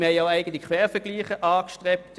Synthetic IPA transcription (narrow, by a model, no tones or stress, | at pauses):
mhɛɪjaʊæɪɡəntlɪçkʰʋɛːʁfɛɐɡ̥liːχəʔɑːkʃtʁɛp̚t